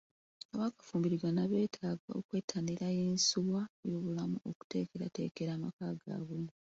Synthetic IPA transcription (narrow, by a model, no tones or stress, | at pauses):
aβaːkḁfuːmbiɾiɡwanaβe̞ːtʰaːɡa̰o̰kwe̞ːtʰːandiɾajeːnsuβwajo̞ːβulamuʔoku̥te̞̰ːke̞ɾa̰te̞̰ːke̞ɾaːmakaɡa̰ːɡu